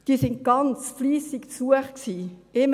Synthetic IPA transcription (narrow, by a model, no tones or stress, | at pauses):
d̥iːsɪnt̚ɡ̥ɑnt͡sfliːsɪkt͡suəχksiːɪm